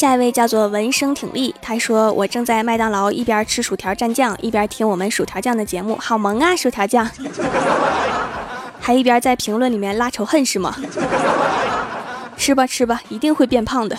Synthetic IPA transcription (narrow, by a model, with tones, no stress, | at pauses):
ɕja˥˧i˧we˥˧ɪt͡ɕjɑ˥˧ʊt͡swɔ˥˩wə˧˥nʂɤ˥ŋt̪ʰḭ˨˩ŋlʔi˥˩t̪ʰa˥ʂwɔ˥wʔɔ̰˨˩ʈ͡ʂɤ˥˧ŋt͡sa˥˧ɪma˥˧ɪt̪ɑ˥˩ŋlɑ˧˥ʊʔḭ˥˩pjɐ˞˧˥ʈ͡ʂʰɻ̩˥ʂu˨˩t̪ʰjɑ˧˥ʊʈ͡ʂa˥˧nt͡ɕjɑ˥˩ŋʔḭ˥˩pjɐ˧˥t̪ʰi˥ŋwɔ˨˩mə˧˦nʂu˨˩t̪ʰjɑ˧˥ʊt͡ɕjɑ˥˩ŋd̪ə˩t͡ɕjɛ˧˥mṵ˥˩xɑ˨˩ʊmɤ˧˥ŋa˧ʂu˨˩t̪ʰjɑ˧˥ʊt͡ɕjɑ˥˩ŋ | t̪ʰa˥i˥˩pjɐ˞˧˥t͡sa˥˩ɪpʰi˧˥ŋlwə˥˩nli˨˩mjɛ˥˧nla˥ʈ͡ʂʰo˧˥ʊxə˥˧nʂɻ̩˥˩mɐ̰˩ | ʂɻ̩˥˩bɐ˨ʂʰɻ̩˥bɐ˨i˧˥t̪i˥˧ŋxwe˥˧ɪpjɛ˥˧npʰɑ˥˩ŋd̪ə˩